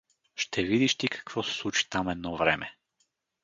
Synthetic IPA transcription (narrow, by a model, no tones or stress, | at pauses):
ʃt̪ʰɛvid̪iʃt̪ikʰḁkvɔsɛ̥slˠut͡ʃi̥t̪amɛd̪nɔvɾɛmɛ